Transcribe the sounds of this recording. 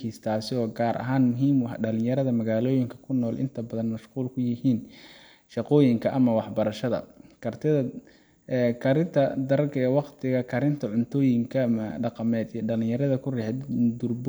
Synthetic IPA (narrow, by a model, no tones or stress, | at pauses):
ist̪ʰaːsɪɔːɡaːɾʔɐ̰ɦaːnmʊɦiːmwɑħɖɐlɪ̃jɐɾɐðɐmɐɣaːlɔːjɪŋkʰɐ̥kʰʊnːɔːlʔɪ̰nt̪ʰɐbɐðɐnmɐʃquːlkʰʊjɪhiːn | ʃɑqɔːjɪŋkʰɐʔɐmɐwɑħbɐɾɐʃɐðɐ̰kʰɐrt̪ʰɪðɐ | kʰɐɾɪnt̪ʰɐd̪ɐɾɐɡʰɐɐwɑqt̪ʰɪɣɐkʰɐɾɪnt̪ʰɐʕʊnt̪ʰɔːjɪŋkʰɐmɖɑqɑmɛːd̪ijɔɖɐlɪ̃jɐɾɐðɐkʰʊrɛħɛd̪d̪ʊrb